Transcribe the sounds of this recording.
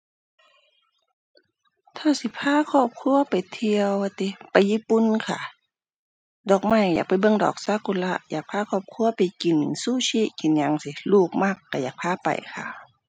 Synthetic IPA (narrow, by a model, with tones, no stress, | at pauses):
t̪ʰaː˧˩si˧˦pʰaː˧˥˨kʰɔː˧˩p̚kʰu˧˥˨ɐpa˨jt̪ʰi˧əwa˧t̪i˧˦pa˨jːiː˧˥˨pu˨nkʰa̰˧˩ | dɔː˨˩k̚ma˧˩˨jja̰ː˨˩k̚pa˨jbɤ˧˥˨ŋdɔ̰ː˨˩k̚sa˧˥˨ku˧˨la˧˥ʔjaː˨˩k̚pʰaː˧˥˨kʰɔː˧˩p̚kʰu˧˥əpa˨jki˨n˨suː˧˨si˧˥ʔki˨nɲa˧ŋsi˧˦luː˧˩k̚ma˧˩kːa˧˩jaː˨˩k̚pʰaː˧˨pa̰˨˩jkʰa̰˧˩